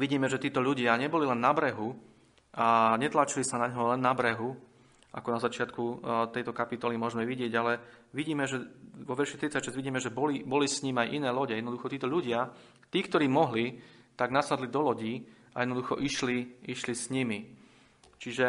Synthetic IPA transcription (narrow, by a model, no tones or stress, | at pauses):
ʋiɟiːmɛʒɛt̪iːt̪ɔʎuɟɪaɲɛbɔlilɛnːabɾɛɦu | aɲɛt̪laːt͡ʃilisanaɲɦɔlɛnːabɾɛɦu | a̰kɔnazat͡ʃɪat̪kut̪ɛjt̪ɔkapit̪ɔlimʊɔʒmɛʋiɟɪɛɟalɛʋiɟiːmɛʒɛʋɔʋɛɾʃit̪ɾit͡sacʃɛzɟʋiɟiːmɛʒɛbɔlibɔlisɲimajʔinɛːlɔɟɛjɛd̪nɔd̪uxɔt̪iːt̪ɔʎuɟɪa | t̪iːkt̪ɔɾiːmɔɦli | t̪aɡnasad̪lid̪ɔlɔɟiː | a̰jɛd̪nɔd̪uxɔʔiʃliiʃlisɲimi | t͡ʃiʒɛ